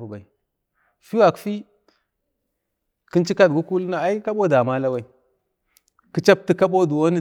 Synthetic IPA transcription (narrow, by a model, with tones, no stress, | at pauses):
u˨ba˨i˨ | fi˦wa˨kfi˦ | ki˦nt͡ʃi˦ka˦dɡu˦ku˦lna˨a˦i˦ka˦ɓo˦da˨ma˦la˦wa˦i˨ | ki˨t͡ʃa˦b̚ti˦ka˦ɓo˦du˨wo˦ni˦